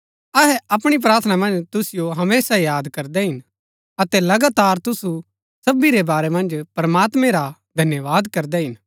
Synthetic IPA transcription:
ɐɦɛɐpɽ̃ip̬ɾaːɾt̪ʰənamɐ̃nd͡ʒt̪ʊsɪjoɦɐmeːsajaːd̪kɐɾd̪ɛɦɪn | ɐt̪ɛlɐɡaːt̪aːɾt̪ʊsu | sɐbiɾebaːɾɛmɐ̃nd͡ʒpɾɐmaːt̪mɛ̃ɾad̪ʱɐnjəʋaːd̪kɐɾd̪ɛɦɪn

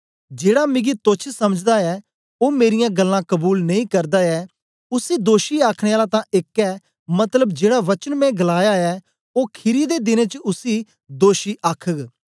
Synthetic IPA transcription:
d͡ʒeːɽamɪ̃ɡit̪oːt͡ʃʰsɐməd͡ʒd̪aɛː | oːmeːɾɪjãːɡəlːãkəbuːlnɐĩkɐɾd̪aːɛː | ʊsiːd̪oːʃiaːkʰɽeːaːlat̪ãʔeːkɛː | mɐt̪ləbd͡ʒeːɽaʋɐt͡ʃənmɛ̃ɡəlaːjaɛː | oːkʰɪɾid̪eːd̪ɪnẽːt͡ʃəʊsiː | d̪oːʃiːʔaːkʰəɡ

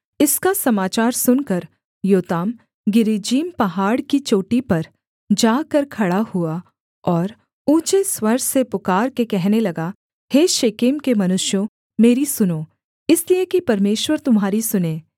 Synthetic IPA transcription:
ɪskasɐmaːt͡ʃaːɾsʊnkɐɾ | joːt̪aːm | ɡɪɾid͡ʒiːmpɐɦaːɽkit͡ʃoːʈipɐɾ | d͡ʒaːkɐɾkʰɐɽahua | ɔːɾ | ũːt͡ʃeswɐɾsepʊkaːɾkekɛɦnelɐɡa | heːʃeːkeːmkemɐnʊʃjõ | meːɾisʊnoː | ɪsliekipɐɾmeːʃwəɾt̪ʊmɦaːɾisʊnẽː

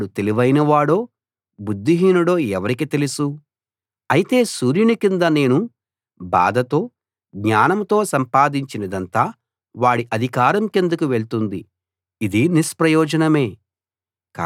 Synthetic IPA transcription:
ɽut̪eliʋɐjnɐʋaːɽo̞ː | bud̪ːiɦiːnuɽo̞ːɛʋɐɾikit̪e̞lusu | ɐjit̪e̞ːsuːɾjunikind̪ɐne̞ːnu | ba̰ːd̪ʱɐt̪o̞ː | ɡɲaːnɐmt̪o̞ːsɐmpaːd̪iɲt͡ʃinɐd̪ɐnt̪aː | ʋaːɽiʔɐd̪ʱikaːɾɐmke̞nd̪ukuʋe̞ɭt̪und̪i | id̪iniʃpɾɐjɔːd͡ʒɐnɐme̞ː | ka

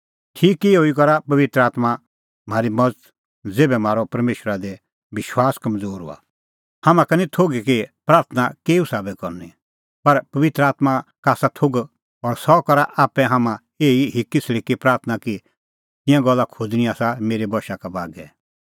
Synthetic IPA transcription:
ʈʰiːkːiɦoikɔɾapɐʋɪt̪ɾəaːt̪ma | m̤aːɾimɐd͡zət̪ | d͡zeːbɛm̤aːɾɔpɐɾmeːʃəɾad̪e | ʋɪʃwaːskɐmd͡zoːɾɦʊ̰a̰ | hɐmãkɐnĩt̪ʰoɡikipɾaːɾt̪ʰnakeːusaːbɛkɔɾni | pɐɾpɐʋɪt̪ɾəaːt̪makaːsat̪ʰoɡ | ɔɾsɔkɐɾaʔaːpːɛɦamã | eːiɦɪkːisɽikipɾaːɾt̪ʰənaki | t̪ɪ̃jãɡɔlːakʰʊd͡zniaːsameːɾebɔʃakabaːɡɛ

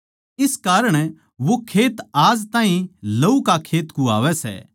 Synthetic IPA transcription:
ɪskaːɾəɽ̃ | ʋokʰeːt̪aːzt̪ãːɦĩlɐukakʰeːt̪kũa̰ːʋɛsɛ̰ː

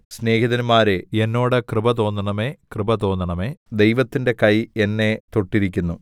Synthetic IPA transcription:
sne̞ːkiðɐnmaːɾeenːo̞ːɽɨkrɨbɐt̪o̞ːnːɐɳɐme̞ːkrɨbɐt̪o̞ːnːɐɳɐme̞ːd̪ejʋɐt̪ːinde̞kɐjenːe̞t̪oʈːiɾikʲːunːu

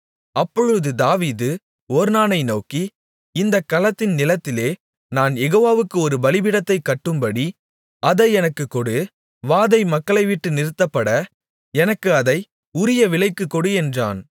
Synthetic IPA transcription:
ɐpːɔɻɯðɯd̪aːʋiːðɯ | ɔːɾnaːnɐɪnoːki | ɪnd̪ɐkːɐlɐt̪ːɪnnɪlɐt̪ːɪleː | naːnjɛɣoːʋaːʋɯkːɯɔɾɯbɐlɪbɪɽɐt̪ːɐɪkːɐʈːɯmpɐɽi | ʔɐðɐɛnɐkːɯkːɔɽɯ | ʋaːðɐɪmɐkːɐɭɐɪʋɪʈːɯnɪɾɯt̪ːɐpːɐɽɐ | ɛnɐkːɯɐðɐɪ | ʊɾɪjɐʋɪlɐɪkːɯkːɔɽɯɛndra̰ːn

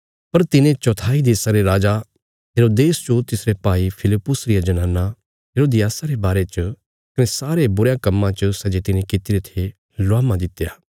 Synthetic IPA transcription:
pɐɾt̪ɪnẽt͡ʃɔt̪ʰaːid̪eːsaɾeɾaːd͡ʒa | ɦeːɾoːd̪eːst͡ʃot̪ɪsɾepaːipʰɪlɪpːʊsɾɪjad͡ʒɐnãːnːa | ɦeːɾoːd̪ɪjaːsaɾebaːɾet͡ʃə | kɐnesaːɾebʊɾjãkɐmːãt͡ʃəʊsɛd͡ʒet̪ɪnẽkɪt̪iɾet̪ʰe | lʊaːmãd̪ɪt̪ːejaː

